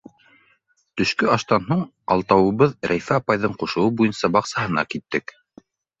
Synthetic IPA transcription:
t̪ɵ̆ʃkɵɑʃt̪ɑnɦuɴ | ɑ̰lˠt̪ɑwɤ̆βɤðɾæjfæɑpɑjðɤɴquʃɤ̆wɤbujɤnsɑbɑqsɑɦɤ̆nɑ̰kit̪ːɘk

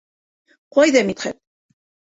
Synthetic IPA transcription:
qɒjðɑmit̪χæt̪

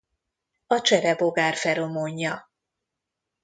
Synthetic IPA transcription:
ɒt͡ʃɛɾɛbo̞ɡaːrfɛɾo̞moɲːɒ

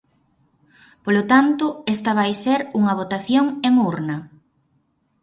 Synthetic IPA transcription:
polot̪ant̪ʊest̪ɐβ̞ajseɾuŋɐβ̞ot̪aθjoŋeŋuɾnɐ

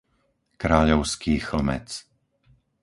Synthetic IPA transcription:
kɾaːʎɔʊskiːxl̩mɛ̰t͡s

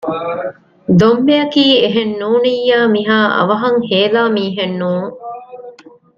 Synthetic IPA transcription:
d̪ombejɐkiːeɦenːuːnijːaːmiɦaːʔɐ̰ʋɐɦɐŋheːlaːmiːɦenːuːŋ

